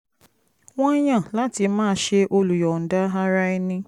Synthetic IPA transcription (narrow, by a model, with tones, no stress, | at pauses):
w̃ɔ̃˦j̃ã˦˨la˦ti˧mãː˦ʃe˧ʔo˧lu˨jɔ˨n̩˨da˦ɦa˦ɾa˧˦i˧nĩ˧